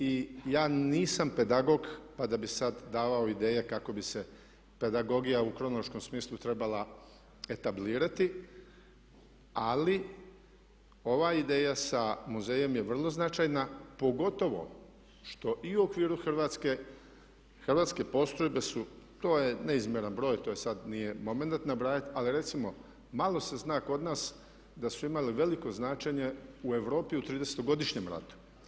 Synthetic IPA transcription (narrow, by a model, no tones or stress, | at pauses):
ijaːniːsampe̞d̪aɡo̞ɡpad̪abisad̪ːaːʋaoid̪e̞ːje̞kako̞bise̞ | pe̞d̪aɡo̞ɡijaukɾo̞noloʃko̞msmiːslˠut̪ɾe̞bala | e̞t̪abliːɾat̪i | ali | o̞ʋaid̪e̞ːjasamuzeːje̞mjeʋr̩lˠo̞znat͡ʃajnapo̞ɡo̞t̪o̞ʋo̞̰ | ʃt̪o̞ʔiuokʋiːɾuxr̩ʋaːt̪ske | xrʋaːt̪ske̞po̞st̪ɾojbe̞sut̪o̞ːje̞ne̞izmʲjeɾanbɾo̞ːjt̪o̞ːjesad̪nije̞mo̞menat̪nabɾaːjit̪aliɾe̞t̪simo̞ | malˠo̞se̞znaːko̞d̪naːs | d̪asuimaliʋe̞liko̞znaːt͡ʃeɲe̞ue̞ʋɾo̞ːpiut̪ɾiːd̪e̞set̪oɡo̞d̪iʃɲe̞mɾa̰t̪u̥